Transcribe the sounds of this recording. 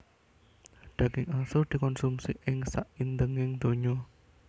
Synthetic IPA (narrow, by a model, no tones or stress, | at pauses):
ɖ̥a̤ɡɪŋasʊrd̪̥i̤kɔnsumsiʔɪŋsaʔind̪əŋɪŋd̪̥o̤ɲɔ